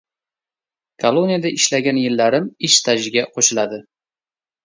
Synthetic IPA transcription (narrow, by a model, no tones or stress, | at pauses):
kʰolˠonijad̪aʔɪʃlaɡʲanjɪlːaɾɪmɪʃt̪ʰaʒɪɡʲaqʰoʃɪlad̪ɪ